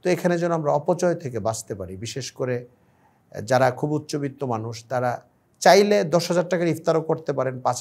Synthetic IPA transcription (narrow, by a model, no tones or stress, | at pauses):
t̪oekʰaned͡ʑonːoamɾaɔpot͡ɕɔet̪ʰek̬ebad͡ʑt̪epaɾibiʃeʃkoɾe | d͡ʑaɾakʰubut̪ːɕobit̪ːomanuʃt̪aɾa | t͡ɕajled̪ɔʃɦad͡ʑaɾʈakaɾift̪aɾokoɾt̪epaɾenpat͡ɕʰ